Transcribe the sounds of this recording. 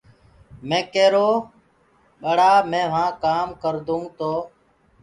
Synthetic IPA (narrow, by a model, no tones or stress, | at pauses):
mẽːkeːɾoː | ɓəɽaːmẽːʋ̤ãːkaːmkəɾd̪ũːt̪oː